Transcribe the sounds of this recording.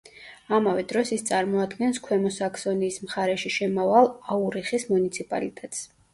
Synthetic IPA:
amavɛd̪ɾɔsist̪sʼaɾmɔad̪ɡɛnskʰwɛmɔsakʰsɔniːsmχaɾɛʃiʃɛmavalˠauɾiχismunit̪sʰipʼa̰lit̪ʼɛt̪ʼs

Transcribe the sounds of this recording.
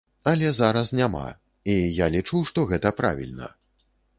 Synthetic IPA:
ɐlʲɛzaɾɐsnʲama̰ | ijalʲit͡ʂuwʂt̪ɔɣɛt̪ɐpɾa̰vʲḭlʲnɐ̰

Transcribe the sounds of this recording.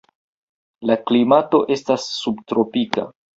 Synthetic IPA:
laklimato̞ʔe̞stasːubtɾo̞pika̰

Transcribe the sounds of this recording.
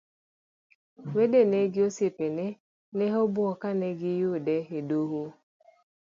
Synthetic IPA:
wedeneɡɪosepenɛ | nɛɦɔbwɔkanɛɡɪjʊdɛedoɦo

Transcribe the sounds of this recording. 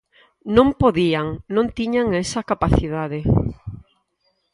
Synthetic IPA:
nõmpoðiaŋnõnt̪iɲaŋesɐkapaθiðaðɪ

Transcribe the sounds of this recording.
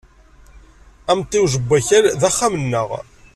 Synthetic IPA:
æmt̪ˤːɪwʒəbːæçæɾðæχːamənːəʁ

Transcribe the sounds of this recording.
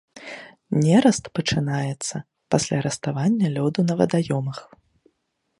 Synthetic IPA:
nʲɛɾɐst̪pɐt͡ʂɨnajɛt̪sːɐ | pasʲlʲaɾɐst̪avanʲːɐlʲɔd̪unɐvɐ̰d̪ajɔmɐx

